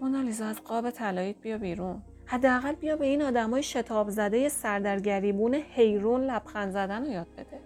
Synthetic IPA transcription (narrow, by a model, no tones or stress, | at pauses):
monɒlizɒæzɢɒːbe̞t̪ʰælɒːiːt̪̚b̥ijɒːbiːɾun | hæd̪ːeæɣælbijɒːbe̞iːnɒːd̪æmɒːjeʃe̞t̪ʰɒːbzæd̪e̞je̞sæɾd̪æɾɟæɾiːbuːnehe̞jɾuːnlæb̥xænzæd̪ænojɒːd̪̥̚be̞d̪e̞